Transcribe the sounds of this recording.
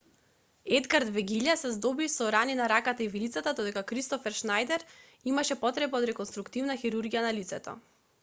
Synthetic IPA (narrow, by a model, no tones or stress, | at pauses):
ɛd̪ɡaɾd̪vɛɡiʎasɛzd̪ɔbisɔɾaninaɾakat̪aivilit̪sat̪ad̪ɔd̪ɛkakɾist̪ɔfɛɾʃnajd̪ɛɾ | imaʃɛpɔt̪ɾɛbaɔod̪ɾɛkoɔnst̪ɾukt̪ivnaxiɾuɾɡijanalit̪sɛt̪ɔ̰